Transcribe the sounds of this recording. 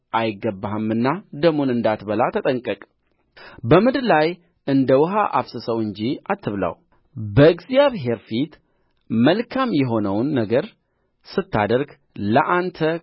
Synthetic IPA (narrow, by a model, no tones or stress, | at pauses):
ʔajɪɡːəbːahɨmːɨnːad̪əmunɨnd̪at̪bəlat̪ʰət̪ʼəŋkʼəkʼ | bəmɨd̪laj | ɨnd̪əwʊɦaʔa̰βsɨsəwɨɲd͡ʒiat̪ʰːɨβla̰w | bəɨɡzijaβɦe̞ɾfit̪ | məlkʰamjɛɦo̞nəwnːəɡəɾ | sɨt̪ːa̰d̪əɾɡ | ləʔant̪ʰə